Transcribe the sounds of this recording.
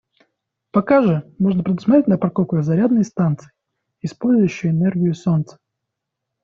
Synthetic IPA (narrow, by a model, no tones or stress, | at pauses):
pɐkaʐɨmo̞ʐnəpɾʲɪd̪ʊsmɐt̪ɾʲetʲnəpɾɐkokʊjzɐɾʲad̪nəjst̪ant̪sɨ̥ɪ | ɪspo̞lʲzʊjʉɕːɪjɪnɛrɡʲɪjʊsont̪sə̥